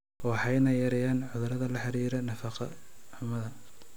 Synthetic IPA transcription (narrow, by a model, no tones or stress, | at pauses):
wɑħɑjnɐjɐɾɛjaːnʕʊðʊɾɐðɐlɐħɑɾiːɾɐnɐfɑqɐ̰ʊmɐðɐ